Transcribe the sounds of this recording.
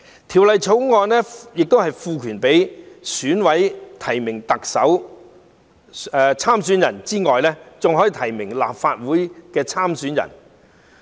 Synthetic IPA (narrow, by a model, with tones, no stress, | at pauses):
t̪ʰiː˨˩wlɐ˨jt͡sʰo˨˥wŋɔː˧nlɛː˥jɪ˨k̚t̪o˥whɐ˨jfuː˧kʰyː˨˩npe˨˥jsyː˨˥nwɐ˨˥jt̪ʰɐ˨˩jmɪ˨˩ŋt̪ɐ˨k̚sɐ˨˥w | ɛː˧t͡sʰaː˥msyː˨˥njɐ˨˩nt͡siː˥ŋɔː˨jlɛː˥t͡sʊ˨ŋɦɔː˨˥jt̪ʰɐ˨˩jmɪ˨˩ŋla̰ː˨p̚faː˧t̚wuː˨˥jkɛː˧t͡sʰaː˥msyː˨˥njɐ̰˨˩n